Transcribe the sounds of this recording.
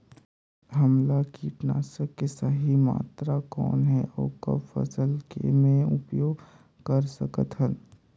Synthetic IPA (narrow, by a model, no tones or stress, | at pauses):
ɦɐmlakiːʈnaːsəkːesəɦima̰ːt̪ɾakɔ̰ːnɦɛʔɔːkə̰fɐ̰səlkḛmẽʊpjoːɡ | kəɾsəkət̪ɦən